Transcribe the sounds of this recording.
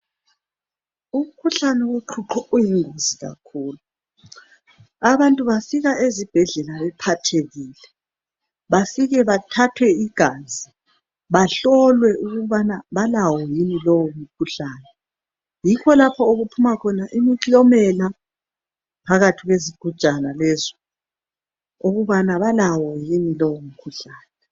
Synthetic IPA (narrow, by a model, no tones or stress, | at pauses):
um̩kʰuɬanɛweǃʰuǃɔojiŋoziɣa̰kʰuːlu | aβantʼuβafiɣaʔezib̥ʱɛɮɛlaβɛpʰatʰeɣiːlɛ | βafiɣɛβatʰatʰwɛiɡ̥ʱaːd͡zʱi | βaɬɔlwɛʔuɣuβanaβalawɔjinilɔwom̩kʰuɬaːnɛ | jikʰɔlapʰɔoɣupʰumakʰɔnaʔimiǀiɔmɛla | pʰaɣatʰiɣweziɡ̥ʱu̥t͡ʃʼanalɛzɔ | oɣuβanaβalawɔjinilɔwom̩kʰuɬaːnɛ